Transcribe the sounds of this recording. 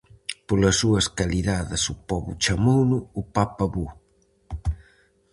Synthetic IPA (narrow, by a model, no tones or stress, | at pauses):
polɐsuɐskaliðaðɪsupɔβʊ̰t͡ʃamownʊːpapɐβu